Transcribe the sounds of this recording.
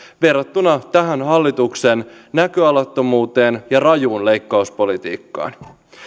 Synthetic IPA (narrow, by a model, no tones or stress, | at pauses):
ʋe̞rːɑt̪ːunɑt̪æɦænɦɑlːit̪ukse̞nnækøɑlɑt̪ːo̞muːt̪e̞ːnjɑrɑjuːnle̞jkːɑuspo̞lit̪ḭːkːɑ̰ːn